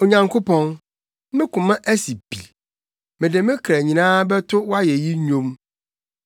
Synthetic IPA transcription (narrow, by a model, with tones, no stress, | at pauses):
o˨ɲã˨ŋkʰʊ˦pʰɔ̃˦n˦ | mɪ̃˦kʊ̃˨mã˦ʔæ˦si˨bḭ˨ | mɪ̃˨dɪ˨mɪ̃˦kʰɾæ˨ɲĩ˨nãː˦bɛ˦tʰʊ˦wa˦jɛ˨ji˦ɲᶣõ˦m